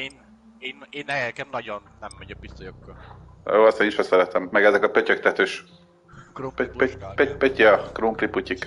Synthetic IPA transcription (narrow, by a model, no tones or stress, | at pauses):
eːn | eːneːnːɛɛkɛmnɒɟonːɛmːɛɟɛk̚bist̪oʃokːjoːɒst̪eːniʃɛsɛɾɛt̪ɛmːɛɡɛzɛkɒpøcɛk̚t̪ɛt̪øʃ | ppepøciɒkruːmpripucik